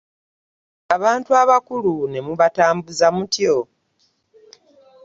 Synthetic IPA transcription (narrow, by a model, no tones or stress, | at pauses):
aβaːntuaβakulune̞muβataːmbuzamutjo